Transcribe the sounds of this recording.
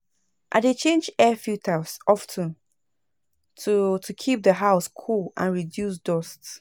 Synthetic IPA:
ʔa̰ɪdet͡ʃʰẽnd͡ʒɛfjutʰasɔftʰə̃n | tʰutʰukʰip̚dðəɦaʊskʰulã̰nɹidjus̬dɔsts

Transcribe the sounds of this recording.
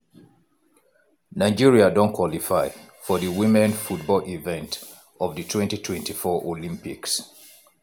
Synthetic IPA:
naɪd͡ʒiɹiadɔ̃nkʰwɔlifaɪ | fɔðəwimɛ̃nfut̚bɔlʔivɛ̃nt | ɔvðɨtʰwɛ̃ntitʰwɛ̃ntifɔʔolĩmpiks

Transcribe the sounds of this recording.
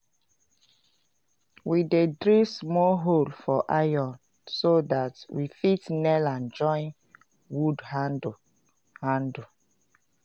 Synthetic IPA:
widedɹismɔlɦolfɔʔajɔ̃n | sodatwifitnɛlãnd͡ʒɔ̃j̃n | wudha | hãndu

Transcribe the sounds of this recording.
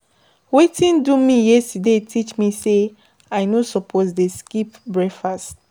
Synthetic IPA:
wetĩndumijɛstudetʰit͡ʃmise | aɪnosɔpʰozdeskipbɹɛfast

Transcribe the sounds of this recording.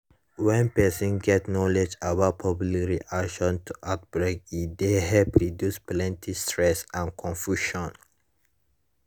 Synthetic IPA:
wɛ̃npɛsĩnɡɛtnɔlɛd͡ʒawapʰɔblikɹiʔakʃɔ̃ntʰuʔat̚bɹekideɦɛpɹidjusplɛ̃ntʰi̥stɹɛsãnkʰɔ̃nfjuʃɔ̃n

